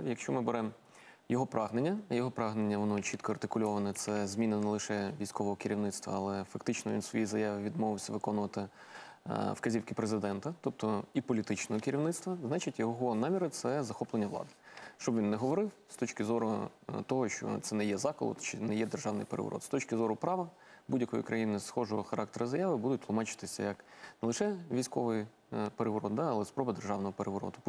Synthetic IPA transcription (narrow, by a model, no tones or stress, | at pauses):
jɐkʃt͡ʃɔmɪbeɾɛm | jɔɦɔpɾʔɑɦnenʲːɐjɔɦɔpɾɑɦnenʲːɐʋɔnɔt͡ʃit̪kɔɐrt̪ɪkʊlʲɔʋɐnɛt̪sɛzmʲinɪnɛlˠɪʃɛʋʲijsʲkɔʋɔɦɔkɪɾʲiʋnɪtst̪ʋɐ̰ɐlˠɛfɐkt̪ɪt͡ʃnɔʋʲḭnsʋɔ̰jizɐjaʋɪʋʲid̪mɔʋɪwsʲɐʋɪkɔnʊʋɐt̪ɪ | wkɐzʲiwkɪpɾezɪd̪ɛnt̪ɐt̪ɔp̚t̪ɔipɔlʲit̪ɪt͡ʃnɔɦɔkɪɾʲiʋnɪt̪st̪ʋɐznɑt͡ʃɪtʲjɔɦɔnɑmʲiɾɪt̪sɛzɐxɔplˠenʲːɐʋlˠɑ̰d̪ɪ̥ʃt͡ʃɔbʋʲinːɛɦɔʋɔɾɪwst̪ɔt͡ʃkɪzɔɾʊt̪ɔɦɔʃt͡ʃɔ̰t̪sɛnɛjɛzɑkɔ̰lˠɔ̰t̪t͡ʃɪnɛjɛd̪erʒɑwnɪ̰jpeɾʔḛʋɔ̰ɾɔ̰t̪st̪ɔt͡ʃkɪzɔɾʊpɾɑʋɐ | budʲjɐkɔjḭkɾɐjinɪsxɔʒɔɦɔxɐɾɑk̚t̪eɾɐzɐjaʋɪbud̪ʊt̚ʲtlˠʊmɑt͡ʃɪ̥t̪ɪsʲɐ̰jɐknnɛlˠɪʃɛʋʲijsʲkɔʋɪj | peɾeʋɔɾɔt̪̚d̪ɑɐlˠɛspɾɔbɐd̪erʒɑwnɔɦɔpeɾʔeʋɔɾɔ̰d̪ʊp